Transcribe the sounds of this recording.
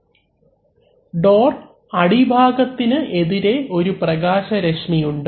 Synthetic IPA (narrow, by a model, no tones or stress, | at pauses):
ɖo̞ːr | ɐɽibʱaːɡɐt̪ːinɨʔe̞ðiɾe̞ʔo̞ɾuprɐɣaːɕɐɾɐʂɳijuɳɖɨ